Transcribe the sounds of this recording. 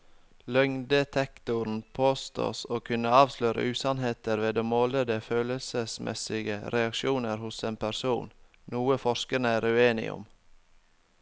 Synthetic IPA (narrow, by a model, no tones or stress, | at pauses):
lœŋd̪ət̪ʰɛkt̪ʊɾn̩pʰoːst̪o̰ːsoːkʰʉnəɑːʋsløːɾə̰ʔʉːsɑnɦeːt̪əɾʋeːd̪oːmoːləd̪əføːləlsəsmʔɛ̰sɪɡəɾɛɑkʃuːnəɾhʊseːnpʰæɾsuːn | nuːəfɔʃkənəæɾʉeːnɪ̰ʔʊ̰m